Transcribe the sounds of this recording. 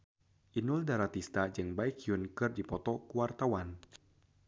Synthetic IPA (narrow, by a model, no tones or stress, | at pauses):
ʔinʊldaɾat̪ist̪ad͡ʒɨŋbaikiunkɨrdipɔt̪ɔkuwart̪awan